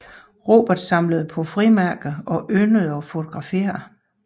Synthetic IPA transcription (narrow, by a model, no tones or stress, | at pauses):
ʁo̝̰ːb̥ɐd̥sɑ̈mləð̞̩ˠpʰɒ̽fʁimæɐɡ̥ð̩ˠɒ̽ʔønəð̩ˠɒ̽fo̝t͡sʰo̝ɡ̥ʁɑ̈fe̝̰ːɐ